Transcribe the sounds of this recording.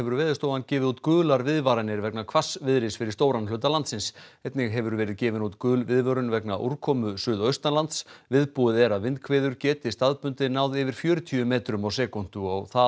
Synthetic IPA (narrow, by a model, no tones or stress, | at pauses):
ɛvʏɾvɛːɾðɪst̪oːwvancɛːvɪðut̪kʏːlaɾvɪðvaɾanɪɾvɛknakʰvasvɪðɾɪsfɪɾɪɾst̪oːwɾanlʏːt̪alant̪sɪnsɛt̪nɪɣɦɛvʏɾvɛːɾɪðcɛːvɪnut̪kʏːlvɪðvœɾʏnvɛknaʔṵɾ̥kʰɔːmʏsʏːðœɥst̪anlant̪svɪðpuɪðɛɾaðvɪnt̪kʰvɛːðʏɾcɛːt̪ɪst̪aðpʏnt̪ɪnaːwðɪvɪɾ̥fjœːɾʏt̪ʰiʏmeːt̪ɾʏmawsɛːkɔn̥t̪ʏɔ̰ɣθa